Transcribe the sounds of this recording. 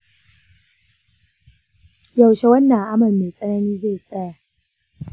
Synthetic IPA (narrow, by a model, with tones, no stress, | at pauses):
ja˨wʃe˦wɐ˦nːɐ˨ŋʔa˦mɐ˨lme˨t͡sʼɐ˦nɐ˦niː˦ze˦˨t͡sʼɐ˦ja˨